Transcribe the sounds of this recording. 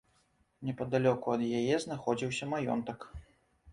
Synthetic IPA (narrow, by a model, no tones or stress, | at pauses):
nʲɛpɐd̪alʲɔkuɐd̪jajɛznaxɔd͡zʲiwsʲɐmajɔ̰nt̪ɐk